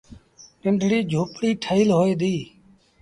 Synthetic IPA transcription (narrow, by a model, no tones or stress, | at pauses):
ʈɪɳɖʱɽiːd͡ʒʱoːpɽiːʈʰəiːlɦoːeːd̪iː